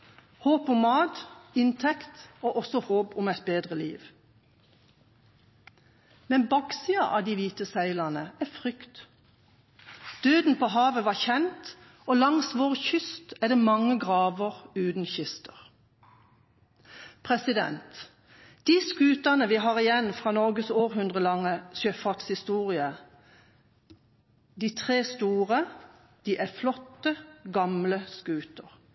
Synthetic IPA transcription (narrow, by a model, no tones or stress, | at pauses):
hoːpʊmːɑːd̪ɪnt̪ʰɛkt̪oːʔɔsɔhoːpʊmɛɪt̪̚beːd̪ʁəlḭːʋ | mɛnbɑɡsiɑʔɑ̰ːd̪iːʋiːt̪əsæɪlɑnəæːfʁʏkt̪ | d̪̥øːd̪n̩pʰoːɦɑːʋəʋɑːçɛnt̪ | oːlɑŋsʋoːʁçʏst̪æːd̪ɛːmɑŋəɡʁɑːʋəʁʉːd̪n̩çɪst̪əʁ | pʰʁɛsɪd̪ɛ̰nt̪ | d̪̥iːskʉːt̪ɑnəʋiːɦɑːʁɪjɛnfʁɑːnɔʁɡəsoːʁɦʉnd̪ʁəlɑŋːəsjøfɑʁt̪shɪst̪uːʁɪə | d̪iːt̪ʰʁeːst̪uːʁə | d̪̥iːʔæflɔt̪ːəɡɑmləskʉːt̪əʁ